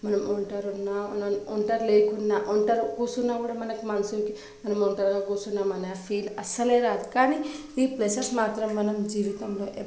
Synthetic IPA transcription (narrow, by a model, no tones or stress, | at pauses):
mɐnɐmoɳʈɐɾunːaɐnɐmoɳʈɐɾleːkunːaʔoɳʈɐɾkusunːakuːɽamɐnɐkimɐnɐsuɾki | mɐnɐmoɳʈɐɾɡaɡuːsunːamɐnɐjapʰiːlɐsɐleːɾaːd̪ukaːni | iːplesɐɾsmaːt̪ɾɐmːɐnɐmd͡ʒiːʋit̪ɐmloːʔe